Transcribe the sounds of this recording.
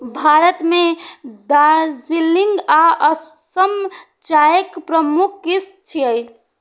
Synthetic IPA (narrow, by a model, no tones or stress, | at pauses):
bʱaɾət̪med̪aɾziliŋɡaʔəsəm | t͡ʃajəkpɾəmukʰkist̪̚t͡ʃʰiəj